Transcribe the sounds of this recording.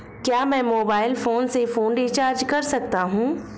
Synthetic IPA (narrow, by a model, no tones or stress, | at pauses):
kjaːmɛ̃ːmoːbaːɪlfoːnsefoːnɖit͡ʃaːɾd͡ʒkɐɾsɐk̚t̪aɦũː